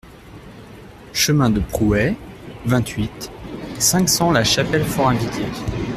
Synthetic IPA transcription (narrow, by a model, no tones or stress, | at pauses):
ʃəmɛ̃d̪əpχuɛvɛ̃t̪ɥit̪sɛ̃ksɑ̃laʃapɛlfɔʁɛ̃d̪ikʲe